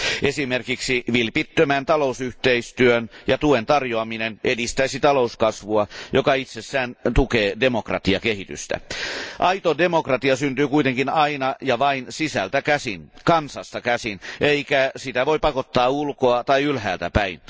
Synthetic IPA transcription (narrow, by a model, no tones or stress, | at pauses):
ʔesimerkiksiʋilpit̪ːømænt̪ɑlousyht̪eist̪yønjɑt̪uent̪ɑrjoɑminenʔedist̪æisit̪ɑlouskɑsʋuɑjokɑit̪sesːæːnt̪ukeːdemokrɑ̰t̪iɑ̰keɦit̪y̰st̪æ̰ʔɑit̪odemokrɑt̪iɑsynt̪yːkuit̪eŋkinɑinɑjɑʋɑinsisæ̰lt̪ækæsinkɑnsɑst̪ɑkæsineikæsit̪æʋoipɑkot̪ːɑːulkoɑt̪ɑiylhæːlt̪æpæin